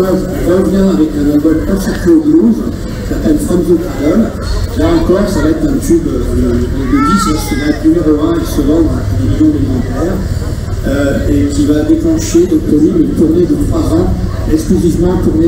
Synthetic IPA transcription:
azɔ̃ʁəvjɛ̃avɛkɛ̃nalbɔmkɔ̃sɛ̃t̪eoɡloz | sat̪ainfamzot̪ad̪ɔl | laɑ̃kɔʁsavaɛt̪χɛ̃t̪ybød̪əd̪əd̪əd̪isɛ̃səvaɛt̪nymeʁoɛ̃esəvɑ̃d̪ɑ̃t̪d̪eʁizjɔ̃d̪elimɑ̃t̪ɛːʁ | øekʲivad̪eklɑ̃ʃed̪ɔ̃k̚puʁlɥimet̪uʁned̪ɔ̃paʁɛ̃ | ɛksklyzivmɑ̃t̪uʁne

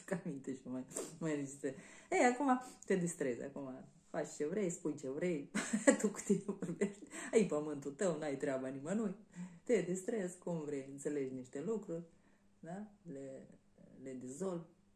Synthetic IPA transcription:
kamint̪eʃimajmajɾit͡ʃist̪eejakumat̪e̞d̪ist̪ɾe̞zʲa̰kuma | fat͡ʃt͡ʃe̞vɾe̞jspujt͡ʃe̞vɾe̞jt̪uku̥t̪inevorbe̞ʃt̪ʲəjpəmɨnt̪ut̪əwnuajt̪ɾeabanimənujt̪e̞d̪ist̪ɾe̞zkumvɾe̞jɨnt̪se̞le̞d͡ʒniʃt̪e̞lukɾurʲ | d̪ale | le̞d̪ezo̞lb

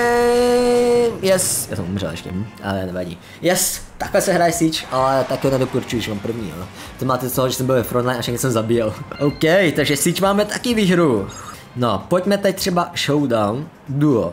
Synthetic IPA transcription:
jɛsja̰ːsɛmʔumrɛ̰lɛ̰ʃcɛ̰m̩ʔa̰ɛanɛvaɟḭ | jɛst̪aklɛsɛɦɾaːjɛsit͡ʃʔalɛt̪akɪhonɛd̪okuɾt͡ʃujuʒɛmaːmpr̩vɲḭːo̰ | t̪ɛmaːt̪ɛosoɦoʒɛsɛmbɪlvɛfɾont̪lajnafʃaɡkɲɛsɛmzabijɛlʔowkɛjt̪aɡʒɛsit͡ʃmaːmɛt̪akɪviɦɾu | nopocmɛt̪ɛc̚t̪r̝̥ɛbaʃowdawn | duo

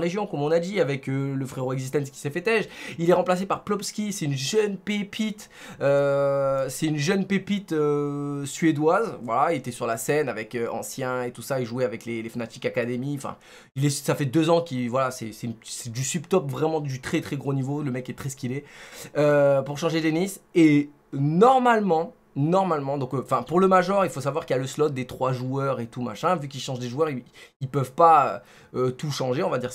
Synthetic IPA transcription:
ʁeʒjɔ̃kɔmɔ̃nad̪iavɛkøləfχeʁoɛɡzis̬t̪ɛ̃skʲi̥sɛfɛt̪ɛʒilɛʁɑ̃plas̬epaʁplɔpskʲisɛt̪ynʒœnpepit̪ | ø | sɛynʒœnpepit̪øsɥed̪wazvwa̰lailet̪ɛsyʁlasɛnavɛkøɑ̰̃sjɛ̃et̪usaeʒuɛavɛklelefanat̪ikakad̪emiɑ̃fɛ̰̃ | ilɛsafɛd̪øzɑ̃kʲivwalasɛsɛnsɛd̪ysypt̪ɔpvʁɛmɑ̃d̪yt̪χɛt̪χɛɡʁonivoləmɛkɛt̪χɛsə̥kʲilɛøpuʁʃɑ̃ʒed̪enise | nɔʁmalmɑ̃ | nɔʁmalmɑ̃d̪ɔ̃kɑ̃fɛ̃puʁləmaʒɔʁilfosavwaʁkijaləslɔt̪̚d̪et̪χwaʒuœʁet̪uma̰ʃɛ̃vyk̬ilʃɑ̃ʒd̪eʒuœʁiilpœvpaø | øt̪uʃɑ̃ʒeɔ̃vad̪iʁ

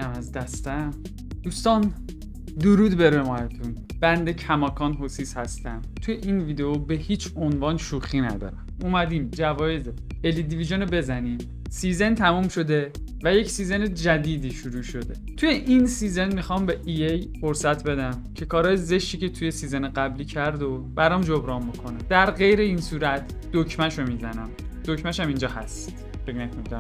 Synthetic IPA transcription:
æmæzd̪æst̪æm | d̪̥uːst̪ɒːn | d̪oɾuːd̪be̞ɾemɒːjet̪ʰunb̥ænd̪e̞cʰæmɒːkʰɒːnɦosiːshæst̪æmt̪ʰujeʔiːnviːd̪eobe̞hiːt͡ʃʰonvɒːnʃuːxiːnæ̰d̪ɒ̰ːɾæmumæd̪iːmd͡ʒævɒːje̞ze | elid̪iviʒonobe̞zæniːm | siːzent̪ʰæmumʃo̞d̪e̞væjecʰsiːzened͡ʒæd̪iːd̪iːʃuɾuːʃo̞d̪e̞̰t̪ʰujeʔinsiːzenmixɒmbeʔiejfoɾsæt̪ʰbe̞d̪æmcʰe̞kʰɒːɾɒːjeze̞ʃt̪iːcʰet̪ʰuje̞siːzeneɢæbliːcʰæɾd̪obæɾɒmd͡ʒobɾɒːmbokʰonæd̪̥æɾɣe̞jɾe̞iːnsuːɾæt̪ʰ | d̪̥ocʰmænʃomizænæmd̪̥ocmæʃæmind͡ʒɒːhæst̪ | feɡnækʰonid̪ɾ

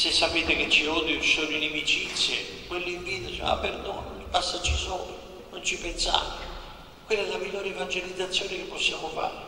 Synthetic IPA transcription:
sesːapeːt̪eket͡ʃːiod̪iusolinemit͡ʃit̪sːjḛkwelːeiɱviːd̪it͡ʃɛ̰ma̰pːerd̪o̰ːnpasːat͡ʃːisɔːlo | nont͡ʃipensa̰ːvo | kwelːɛlːamiʎːoːɾeevand͡ʒelid̪zat̪sːjoːnekepːɔsːjaːmʊfa̰ːɾe

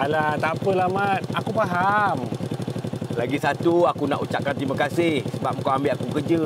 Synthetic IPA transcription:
alat̪apəlamat̪̚akupaɦam | laɡisat̪uakuna̰ʔut͡ʃaʔ̚kant̪imakasɪhsəbap̚ŋkawambɪʔakukərd͡ʒə

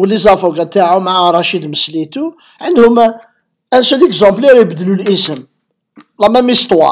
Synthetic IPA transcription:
wəlizɑfɑɡæt̪aʕumaʕaɾˤɑʃid̪məslit̪u | ʕənd̪hʊmæ | ʔæ̃nsələkzɑ̃blɛɾjbəd̪əlulʔəsəm | lˤɑmæmist̪ˤwɑ̰

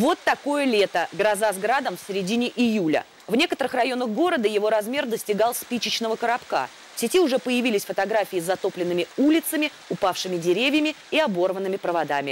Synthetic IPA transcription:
vo̞t̪ːɐko̞jəlʲe̞t̪əɡɾɐzazɡɾad̪əmfsʲɪɾʲɪdʲinʲɪʔɪjulʲə̰ | vnʲe̞kət̪əɾɨxrɐjo̞nəxɡo̞ɾəd̪əjɪvo̞ɾɐzmʲe̞rd̪əsʲtʲɪɡalˠspʲit͡ɕɪt͡ɕn̪əvəkəɾɐpka̰ | fsʲɪtʲiʊʐɛpəjɪvʲilʲɪsʲfət̪ɐɡɾafʲɪːzːɐt̪o̞plʲɪnːɨmʲɪulʲɪt̪səmʲɪ | ʊpafʂɨmʲɪdʲɪɾʲevʲjəmʲɪ | ɪɐbo̞rvənːɨmʲɪpɾəvad̪amʲɪ

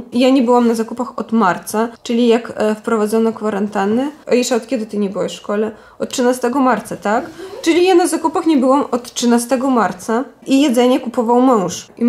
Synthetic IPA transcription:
jaɲɛbɘwamnazakupaxɔd̪maɾt̪sat͡ʂɘlʲijakfpɾɔvad̪zɔnɔkfaɾant̪anɘʔɔjɛʂɛɔt̪kʲɛd̪ɘt̪ɘɲɛbɘwɛɕʂkɔlɛ | ɔt̪̚tːʂɨnast̪ɛɡɔmaɾt̪sat̪akt͡ʂɘlʲijanazakupaxɲɛbɘwamɔt̪ʂɘnast̪ɛɡɔmaɾt̪saijɛd̪zɛɲɛkupɔvawmɔ̃w̃ʂi

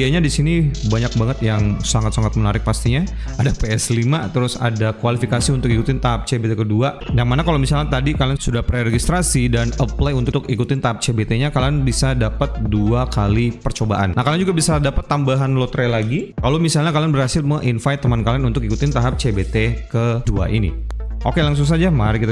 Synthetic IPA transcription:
aɲadisinibaɲak̚baŋət̪jaŋsaŋat̪saŋat̪̚mənaɾɪk̚past̪iɲa | adapeɛslimat̪əɾʊsa̰dakwalifikasiunt̪ʊkikut̪ɪnt̪aɦap̚t͡ʃebet̪ekədua | jaŋmanakalowmisalɲat̪adikalansudahpɾeɾɛɡist̪ɾasidanəplajunt̪ʊt̪ʊkikut̪ɪnt̪aɦap̚t͡ʃebet̪eɲakalanbisadapət̪̚duakalipərt͡ʃobaʔa̰nnahkaland͡ʒuɡabisadapat̪ːambaɦanlot̪ɾelaɡikalomisalɲakalanbərhasɪlməʔinfajt̪ːəmankalanunt̪ʊkikut̪ɪnt̪aɦap̚t͡ʃebet̪ekədua̰ʔḭnḭʔokelaŋs̬ʊŋs̬ad͡ʒamaɾkit̪a

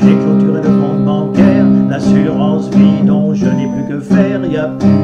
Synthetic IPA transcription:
leklɔt̪yʁeləfɔ̃d̪bɑ̃kɛːʁlasyʁɑ̃svid̪ɔ̃ʒənɛplykəfɛʁjə

